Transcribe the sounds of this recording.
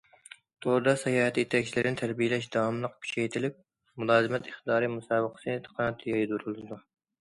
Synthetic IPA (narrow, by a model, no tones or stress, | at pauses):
t̪ʰoɾd̪ɑsɛjɑːhɛt̪ʰijet̪ʰɛkʲt͡ʃʰilɪɾɪnɪt̪ʰæɾbijelɛʃd̪ɑwɑmlˠəqpʰi̥ʃɛjt̪ʰɪlɪp̚ | mulˠɑːzɨmɛt̪ʰɪχt̪ɨd̪ɑːɾɨmusɑːbəqʰə̥sɨnt̪ʰə̥qʰɑnt̪ʰːjɑjd̪uɾulˠɨd̪u